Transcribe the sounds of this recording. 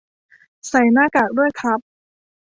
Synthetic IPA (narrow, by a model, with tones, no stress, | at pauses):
sa˨˩jnaː˥˩kaː˨˩k̚du˥˩əjkʰa˦˥p̚